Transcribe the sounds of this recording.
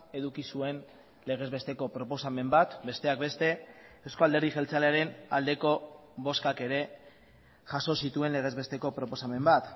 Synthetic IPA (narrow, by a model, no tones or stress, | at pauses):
e̞ðukisue̞n | le̞ɣ̞e̞zβe̞st̪e̞ko̞pɾo̞po̞same̞mbat̪be̞st̪e̞ak̚be̞st̪e̞ewsko̞ald̪e̞ɾðiʝe̞lt͡saleaɾe̞nald̪e̞ko̞βo̞skake̞ɾe̞ | ʝaso̞sit̪ue̞nle̞ɣ̞e̞zβe̞st̪e̞ko̞pɾo̞po̞same̞mbat̪